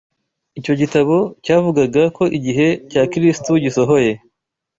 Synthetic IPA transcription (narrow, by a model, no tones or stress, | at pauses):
ico̞ɟitaβo̞caːvuɡaɡako̞ʔiɟiɦe̞caːkɾistuɟiso̞ɦo̞je̞